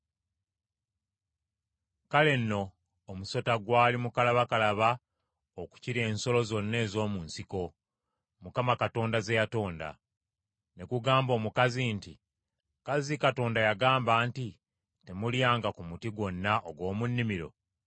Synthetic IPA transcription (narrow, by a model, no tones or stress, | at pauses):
kale̞nːo̞ː | muso̞taɡwaːlimukalaβakalaβa | oku̥ciɾe̞ːnso̞lo̞zo̞nːe̞ːzo̞ːmuːnsiko̞ | mukamakato̞ːndaze̞jato̞ːnda̰ | ne̞kuɡaːmbo̞ːmukazinti | kazikato̞ːndajaɡaːmbaːnti | te̞muljaːŋɡakumutiɡwo̞nːaʔoɡwo̞ːmunːimiɾo̞̰